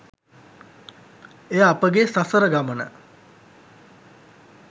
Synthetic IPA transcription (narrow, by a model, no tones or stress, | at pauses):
ejəapəɡesasəɾəɡamənə̰